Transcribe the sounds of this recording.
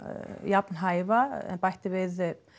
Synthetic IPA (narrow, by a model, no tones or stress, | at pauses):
japnɦajvaɛ̰npajht̪ɪvɪð